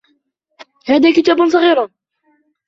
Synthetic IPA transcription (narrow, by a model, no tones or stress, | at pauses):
haːðaːkɪt̪aːbʊnsˤɑɣiːɾʊ